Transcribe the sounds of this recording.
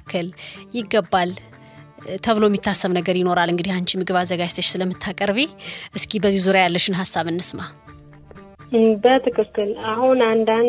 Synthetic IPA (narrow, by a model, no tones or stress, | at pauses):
kʰːəljɪɡːəbːal | t̪ʰəβɨlomːit̪ʰːasːəβnəɡəɾjɪno̞ɾalɨŋɡɨd̪ihant͡ʃʰʼimɨɡɨβazəɡad͡ʒt̪ʰəʃsɨləmːɨt̪ʰːakʼəɾβeʔɨskʰʼibəzːizuɾjajalːəʃɪnɦasːaβɨnːɨsma | bət̪ʰɨkɨkːɨlahunand̪a